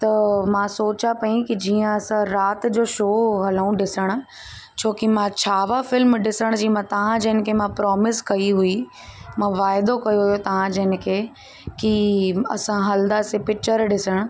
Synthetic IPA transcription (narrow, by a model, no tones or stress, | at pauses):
t̪ɐmãsoːt͡ɕapɐĩkid͡ʑiːə̃ɐsãɾaːt̪d͡ʑoːʃoːɦɐlũɖɪsəɽ̃ʊ̆ | t͡ɕʰoːkimãt͡ɕʰaːʋafɪlmɖɪsəɽ̃d͡ʑiːmãt̪ɐʋ̤ãd͡ʑɐɦɪnɪ̆kʰemãpɾɔːmɪskɐiɦui | mãʋaːɪd̪okɐjoɦʊjot̪ɐʋ̤ãd͡ʑɐɦɪnɪ̆kʰeː | kiɐ̰sãɦɐld̪asepɪk̚t͡ɕəɾɖɪsəɽ̃ʊ̆